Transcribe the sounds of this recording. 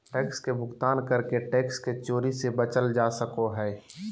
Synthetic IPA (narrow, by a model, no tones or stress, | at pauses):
ʈeːkskebʱʊkt̪aːnkəɾkeʈeːksket͡ʃoːɾisebət͡ʃəld͡ʒaːsəkoɦɛː